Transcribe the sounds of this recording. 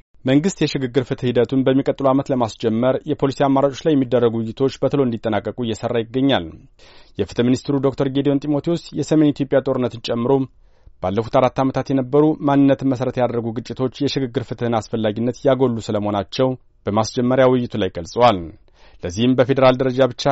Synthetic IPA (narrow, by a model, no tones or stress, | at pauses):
məŋɡɨst̪jɛʃɪɡɨɡːɨɾfɨt̪ʰhid̪ət̪ʰunbəmːikʼət̪ʼːɨlwamət̪ləmasd͡ʒɛmːəɾjɛpʰo̞lisiamːaɾat͡ʃʼo̞t͡ʃlajɛmːid̪ːərːəɡuwɪjːɪt̪ʰo̞t͡ʃːbət̪ʰɨloɨnd̪it̪ʼːənakʼːəkʼujːɛsərːajɪɡːəɲːal | jɛfɨ̥t̪ʰɨminist̪ɾud̪o̞kt̪ʰəɾɡed̪io̞nt̪ʼimo̞t̪ʰiusjɛsəme̞nit̪ʰjo̞pʼjat̪ʼo̞ɾɨnːət̪ɨnt͡ʃʼɛmːɨɾo̞ | b̥əalːəfut̪aɾat̪ːamət̪ʰat̪jɛnəbːəɾumanːɨnːət̪ɨməsəɾət̪jad̪əɾəɡuɡɨt͡ʃʼːɪt̪ʰo̞t͡ʃːjɛʃɪɡɨɡːɨɾfɨt̪ʰɨhɨnasfəlːaɡinːət̪jaɡo̞lːusɨləməhonat͡ʃːɛw | b̥əmasd͡ʒɛmːəɾjawʊjːɪt̪ʰulajɡəlsʼəwalː | əzːihɨmbəfe̞d̪əɾald̪əɾəd͡ʒabɨt͡ʃːa